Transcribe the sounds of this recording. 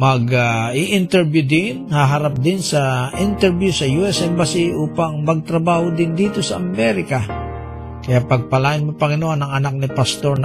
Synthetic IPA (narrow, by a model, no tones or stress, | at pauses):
mɐɡaʔiʔɪnt̪ɛɹbjʊd̪ɪnhaɦɐɾap̚d̪ɪnsɐʔɪnt̪ɛɾbjusɐjuːʔɛsɛmbɐsiʔuːpɐŋmɐɡ̚t̪ɾɐbaːhod̪ɪnd̪iːt̪o̞sɐʔɐmɛɾɪka | kɐjapɐɡ̚pɐlaːjɪnmapɐŋɪnoanɐŋɐnak̚nɪpɐst̪oɾn